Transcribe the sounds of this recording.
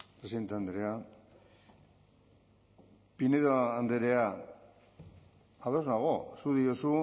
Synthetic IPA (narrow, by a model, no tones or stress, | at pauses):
pɾesiðe̞nt̪eand̪eɾea | pineðoand̪eɾea | aðo̞znaɣosuðiosu